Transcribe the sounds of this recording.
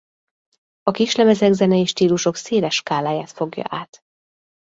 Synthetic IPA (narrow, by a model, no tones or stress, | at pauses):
ɒkiʃlɛmɛzɛɡzɛnɛiʃt̪iːluʃo̞kseːlɛʃkaːlaːjaːt̪fo̞ɡjɒ̰ʔaːt̪